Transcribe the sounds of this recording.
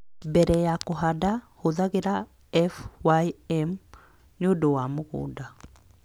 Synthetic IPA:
bɛɾɛjakoɦadahoðaɣeɾa | ɛfwaiɛm | ɲodowamoɣo̰ːda

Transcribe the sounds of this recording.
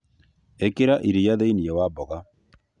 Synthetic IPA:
ekeɾaʔiɾijaðeiniɛwabɔɣa

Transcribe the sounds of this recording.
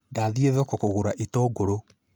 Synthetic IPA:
daːðieðɔkokoɣoɾaʔitɔɡoɾo

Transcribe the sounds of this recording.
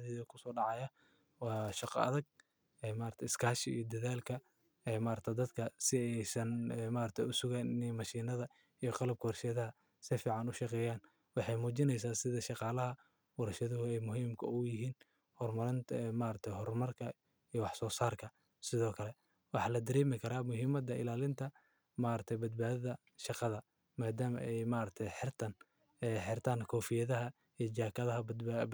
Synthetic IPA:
ðɛðɐkʰʊsɔːɖɑʕɑjɐ | wɑːʃɑqɐ̰ðɐɡ̚ | ɛmaːɾɐt̪ʰɛɪskʰaːʃɪḭːjɔd̪ɐðaːlkʰɐ | ɛːmaːɾɐt̪ʰɐd̪ɐd̪kʰɐsɪɛjsɐnːmaːɾɐt̪ʰɛjʊsʊɣaːnɪnɛmɐʃiːnɐðɐ | ijɔqɑlɐb̚kʰɐhrʃɐðɐɦɐ | sɪfiːʕɑnʊʃɑqɛːjaːn | wɑħɑjmuːt͡ʃɪnɛjs̬aːsɪðɐʃɑqɑːlɐɦɐ | wɑɾɐʃɐðʊɦʊɛjmʊɦiːmkʰɐ̰ʊjɪɦiːn | hɔrmɐɾɪnt̪ʰːmaːɾɐt̪ʰɛɦɔrmɐrkʰɐ | ijwɑħsɔːsaːrkʰɐ | sɪðɔːkʰɐlɛ | wɑħɑːlɐd̪ɐɾɛːmɪkʰɐɾaːmʊɦiːmɐd̪ɐɪ̰laːlɪnt̪ʰɐ | maːɾɐt̪ʰɛjbɐd̪̚baːðɐðɐ | ʃɑqɑðɐ | maːd̪aːmɐʔɛjmaːɾɐk̚t̪ʰɛjħɪrt̪ʰɐn | ɛħɪrt̪ʰaːŋkʰɔːfɪjɐðɐɦɐ | ijt͡ʃaːkʰɐðɐɦɐbd̪

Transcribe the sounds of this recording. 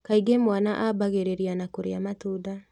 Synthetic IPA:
kaiɡemwanaʔabaɣeɾeɾianakoɾḛamatoda

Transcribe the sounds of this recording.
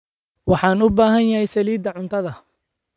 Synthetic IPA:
wɑħɑːnʊbaːɦɐnjɐhɛjsɐliːd̪ɐʕʊnt̪ʰɐðɐ

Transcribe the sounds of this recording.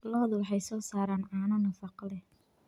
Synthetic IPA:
lɔðwɑħɑjsɔːsaːɾaːnʕɑːnɐnɐfɑqlɛ

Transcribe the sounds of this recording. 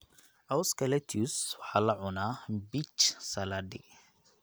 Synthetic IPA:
ʔawskʰɐlɛt̪ʰuswɑħɑːlɐʕʊnaːbit͡ʃsɐladɪ

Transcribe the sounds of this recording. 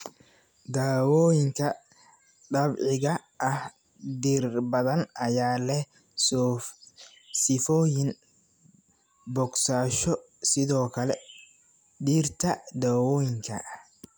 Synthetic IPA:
d̪aːwɔːjɪŋkʰɐ | ɖɐbʕɪɣɐʔɐh | d̪iːrbɐðɐnɐjaːlɛ | sɪfɔːjɪn | bɔɡsaːʃɔ | sɪðɔːkʰɐlɛ | ɖiːrt̪ʰɐd̪aːwɔːjɪŋkʰɐ̰ʔh

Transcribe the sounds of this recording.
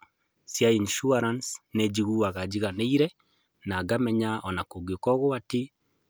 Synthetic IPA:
sjainʃuaɾansned͡ʒiɣuaɣad͡ʒiɣaneiɾɛ | naɡamɛɲaʔɔnakoɡeokɔɣoati

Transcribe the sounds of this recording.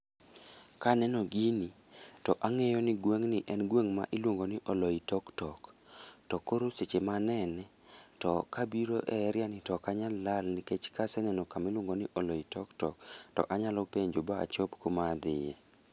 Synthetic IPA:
kanɛnɔɡini | tɔʔaŋɛjɔnɪɡweŋnɪʔɛnɡweŋma̰ʔɪlwoŋɡonɪʔɔlɔitɔktɔk | tɔkoɾoset͡ʃemanɛnɛ | tɔkabiɾoʔɛɾjanɪtɔkaɲalːalnɪket͡ʃkasɛnɛnɔkamɛlwoŋɡonɪʔɔlɔitɔktɔktɔ̰ʔaɲalɔpeɲd͡ʒobaa̰t͡ʃopkomad̪ɪjɛ̰

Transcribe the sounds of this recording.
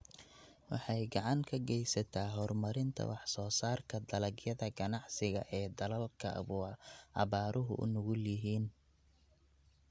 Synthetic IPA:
wɑ̰ħɑjɡɑʕɑŋkʰɐɡɛjsɐt̪ʰaːɦɔrmɐɾɪnt̪ʰɐ̰wɑħsɔːsaːrkʰɐd̪ɐlɐɡjɐðɐɡɐnɑʕsɪɣɐ̰ʔɛːd̪ɐlɐlkʰɐ̰βuːɑβaːɾʔʊɦʊ̰ʔʊ̰nʊɣʊljɪɦiːn

